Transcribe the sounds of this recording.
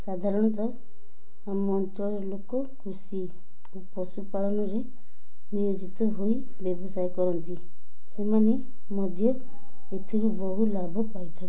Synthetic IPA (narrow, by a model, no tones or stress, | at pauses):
sad̪ʱaɾɔɽ̃ɔt̪̬ɔ | amɔnt̪ɾɔɾɔlokɔkʰusi | opɔsupaɭɔnɔɾe | nijod͡ʒit̪ɔɦoi | bjɔbɔsajɔkɔɾɔnt̪i | semane | mɔd̪ʱjɔ | et̪ʰiɾubɔɦulabʱɔpajt̪ʰani